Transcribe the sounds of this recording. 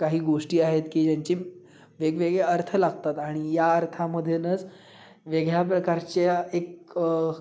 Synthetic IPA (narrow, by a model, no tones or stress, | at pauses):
kaɦiːɡoʂʈiːaɦet̪kiːd͡ʑjaɲt͡ɕiː | ʋeɡʋeɡɭeəɾt̪ʰəlaɡ̚t̪at̪aɽ̃ijaəɾt̪ʰaməd̪ʱːjenət͡s | ʋeɡɭjap̬ɾəkaɾt͡ɕeek